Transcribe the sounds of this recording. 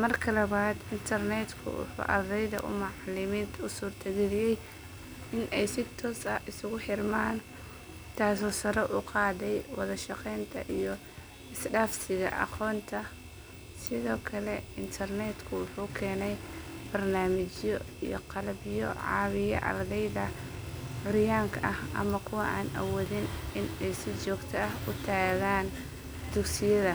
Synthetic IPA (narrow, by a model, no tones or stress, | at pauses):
mɐrkʰɐlɐβaːd̪ɪnt̪ʰɐrnɛd̪kʰʊ̰wʊ̰ħṵːʔɐ̰rd̪ɛjðɐ̰ʔʊ̰mɑʕlɪmiːnt̪ʰʊsuːrt̪ʰɐɣɪðɪjɛj | ɪnʔɛjsɪt̪ʰɔːsɐɪsʊɣʊħɪrmaːn | t̪ʰaːsɔːsɐɾɔʔʊqɑːðɛjwɑðɐʃɑqɛjnt̪ʰɐ̰ʔijɔ | ɪsɖaːfsɪɣɐ̰ʔɑ̰qɔːnt̪ʰɐ | sɪðɔːkʰɐlɛɪnt̪ʰɐrnɛd̪kʰʊwʊħuːkʰɛːnɛjb̥ɐrnaːmɪt͡ʃjɔ | ijɔ̰qɑlɐbjɔ̰ʕɑ̰ːwɪjɐ̰ʔɐ̰rd̪ɛjðɐ | ʕʊɾjaːŋkʰɐʔɐhʔɐ̰mɐkʰʊwɑʔaːnʔɐ̰wɔːðɪnɪnɛjsɪt͡ʃɔːɡt̪ʰɐɐɦʊt̪ʰaːɣaːn | d̪̥ʊɡsɪjɐðɐ